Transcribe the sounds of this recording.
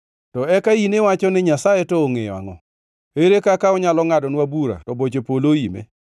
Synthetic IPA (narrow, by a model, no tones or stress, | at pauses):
tɔɛkainewat͡ʃɔnɪɲasajetɔːŋejɔa̰ŋɔ̰ | eɾekakaɔɲalɔŋadɔnwabuɾa̰tɔbot͡ʃepoloimḛ